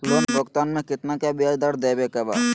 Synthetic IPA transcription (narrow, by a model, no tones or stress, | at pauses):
loːnbʱokt̪aːnmẽkɪt̪nakjabijad̪aɾd̪eːbekɐba̰ː